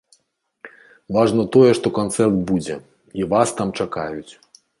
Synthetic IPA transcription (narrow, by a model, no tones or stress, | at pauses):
vaʐnɐt̪ɔjɛʂt̪ɔkant̪sɛrt̪bud͡zʲɛ̰ | ivast̪amt͡ʂakajut͡sʲ